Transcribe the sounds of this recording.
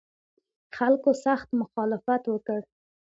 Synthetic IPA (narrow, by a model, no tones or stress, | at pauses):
xalkosaxt̪mʊxɑlɪfat̪wəkəɾ